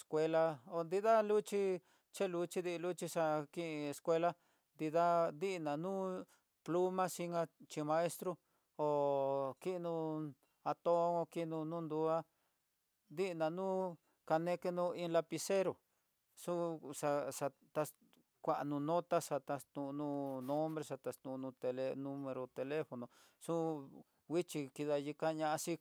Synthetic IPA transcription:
skʷe˧la˧o˧nd̪i˦ða˦lu˦t͡ʃi˧ | t͡ʃe˦lu˧t͡ʃi˧˦ði˧lu˦t͡ʃi˧ʂa˧kĩ˦ʔĩ˧e˧skʷe˧la˧ | nd̪i˧ða˦d̪i˦ʔnã˨nũː˦ | plu˦mã˦si˧ŋã˧t͡ʃi˧mã˧e˦st̪ɾo˧ | o˨ki˦˧nũ˧ | a˧t̪o˦ŋo˧ki˦˧nũ˧nũː˦nd̪u˧˦a˦ | nd̪i˦ʔnã˧nũː˦ | ka˧nẽ˧˦ke˦nũ˧˦ĩ˧˦la˧pi˧se˦ɾo˨ | sũ˦sa˧ʂa˧ | t̪a˧ | kʷa˧˨ʔa˧nũ˧nõ˦t̪a˦sa˧t̪a˧st̪ũ˧nũː˦˧nõ˦mbɾe˧ʂa˧t̪a˧st̪ũ˧nũː˧t̪e˧le˧nũ˦mẽ˧ɾo˧t̪e˧le˦fo˧nõ˨ | sũ˦ | wi˦t͡ʃi˧ki˧ða˧ji˧ka˦˧ɲã˧ʔa˧si˦

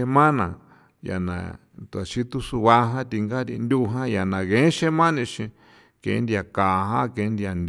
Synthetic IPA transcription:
e˧mã˦nã̰˨ | ja̰˨nã̰˨ | t̪u˧˨a˨ʃi˦t̪u˦su˧βa˧˦ɦã˦t̪i˧ŋɡa˦ɾi˧nd̪ʲu˦˧ɦã˦ja˨nã˨ɣẽ˨˦ʃe˦mã˦nĩ˧ʃĩ˧ | kḛ̃˨˦nd̪i˧a˨ka˨ɦã˦kẽ˨˦nd̪i˧a˨nd̪ʲ

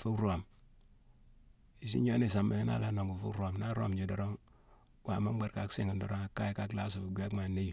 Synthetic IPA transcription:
fu˦kɾo˨m | i˨sḭ˦ɲo˦ni˦˨s̬a˨mːi˨ŋi˦na̰˦la˦no˨ŋɡu˨fṵ˦ɾo˨mna˦ɾo̰˦md͡ʒi˨do˨ɾo˦ŋ | wa˨ma˦ba˨ɾka˦ksi˦ŋi˨ndo˨ɾo˦ŋa˨kːa˦ji˦ka˦kla˦s̬u˨fu˨ɡʷa˦kma˨ne˦i˨

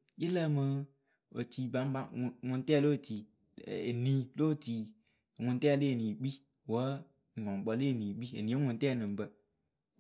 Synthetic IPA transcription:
ji˦lə˦˨mɨ˦ | o˨ti˨ba˨˦m˦ba˦˨ŋʊ̃˨n˦tɛ˦˨lo˦˨ti˨ | e˨nĩ˨lo˦˨ti˨ | ŋʊ̃˨n˦tɛ˦˨le˦e˨nĩ˨ɡ͡bi˦ | wə˨˦ | ŋ̩˨ɔ˨ŋ˨k͡pɔ˨le˦˨nĩ˨ɡ͡bi˦ḛ˨nĩ˨e˦ŋʊ̃˨n˦tɛ˦˨nɨ̃˨m˨bə˦

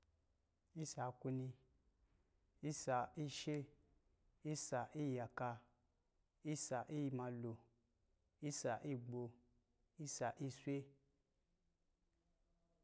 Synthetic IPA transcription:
i˦sa˨ku˧nĩ˧ | i˦sa˨i˦ʃe˦ | i˦sa˨ʔi˦˨ja˨ka˧ | i˦sa˨ʔi˦˧˦mã˧lo˨ | i˦sa˨ʔi˦˨ɡ͡bo˧ | i˦sa˨ʔi˦sʷe˦

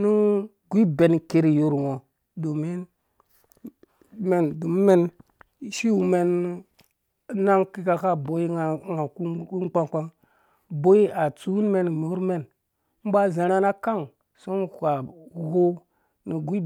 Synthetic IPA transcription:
nu˦ | ɡʷi˦be˨n˨ke˦ɾi˨jo˨ɾwo˨ | do˨mi˦n | me˨ndo˨m˦me˦n | ʃi˦wu˨me˨n | na˦ŋki˦ka˨ka˦bo˨ji˦˨˦ŋa˨ku˦u˦k͡pa˦ŋk͡pa˦ŋ | bo˦i˦a˨t͡su˦u˦n˦me˨n˨me˨u˦ɾme˦n | m̩˦ba˦za˨ɾa˦na˦ka˦ŋ | so˦n˨kʷa˨ɡo˦ | ni˨ɡʷi˦

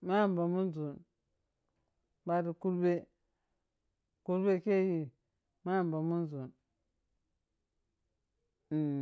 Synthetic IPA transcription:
ma˦˨m˨ba˨mu˦nzu˨n | ba˦di˨ku˦lbe˦ | ku˦lbe˦ke˦ji˨ | ma˦˨m˨ba˨mu˦nzu˨n˨

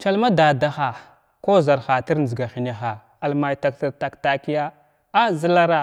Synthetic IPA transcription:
t͡ʃa˦lma˦da˨da˨xa˨ | ko˦za˨ɾxa˨ti˦ɾn˨zi˨ɡa˨xi˨na˨xa˨ | a˨lma˨jta˨kta˨ta˨kta˨ki˦ja˦ | a˦zi˦la˦ɾa˨

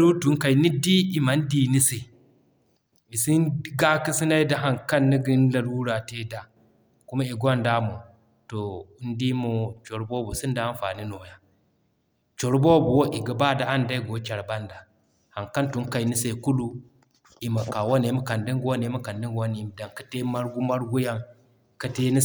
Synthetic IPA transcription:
ɾu˦tu˨˦ŋka˨i˨ni˦di˦i˨ma˨˦n˦di˦ni˦se˨ | i˨si˦n˦ɡa˦ki˦si˦na˦i˦da˨˦ɦa˨ŋka˦nːi˦ɡi˦n˦la˨ɾwu˦ɾa˨te˦da˨ | ku˦ma˦i˨ɡʷa˦nda˦mo˨ | to˨u˦ndi˦mo˨t͡ʃo˨ɾbo˦bu˨si˦nda˨a˦n˦fa̰˨ni˦no˨ja˦ | t͡ʃo˨ɾbo˦bu˨wo˦ʔi˨ɡa˨ba˦da˨a˦nda˦i˦ɡo˨˦t͡ʃa˨ɾba˦nda˨ | ha˨ŋka˦ntu˦ŋ˦ka˨i˨ni˦se˨ku˦lu˦ | i˨ma˨ka˨wa˦ne˨˦ma˨ka˨ndi˦ŋɡwa˦ne˨˦ma˦ka˨ndi˦ɡwa˦ni˨˦m˨da˨ŋkḁ˦te˦ma˦ɾɡu˦ma˦ɾɡu˦ja˦ŋ | ka˦te˦ni˦

